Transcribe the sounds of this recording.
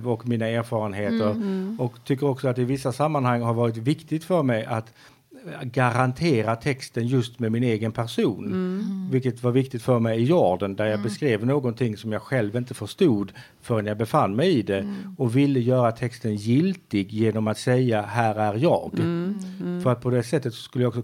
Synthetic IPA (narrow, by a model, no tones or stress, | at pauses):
ɔkmiːnaæːɾfɑːɾənɦeːt̪əɾɔkt̪ʰʏkːəɾɔksɔat̪ɪvɪsːasamːanhaŋːɦaɾvɑːɾɪt̪vɪkt̪ɪɡt̪fœɾmɛjʔat̪ | ɡaɾant̪ʰeːɾat̪ʰɛkst̪ənjɵst̪mɛmɪneːɡənpʰæɾʂuːnvɪlkət̪vaɾvɪk̚t̪ɪɡt̪fœɾmɛjɪjɔːɖənd̪æɾjɑɡbɛskɾeːvnoːɡɔnt̪ʰɪŋːsɔmjɑːɡɧɛlvɪnt̪əfœʂt̪uːd̪ | fœɾɛnjabɛfanːmɛjɪd̪ɛɔvɪlːəjœːɾat̪ʰɛkst̪ənjɪlt̪ɪɡjeːnɔmat̪sɛjːahæːɾæɾjɑ̰ːɡ | fœɾat̪̚pʰɔd̪ɛsɛt̪ːət̪sɔ̥skɵlːjɑɔksɔ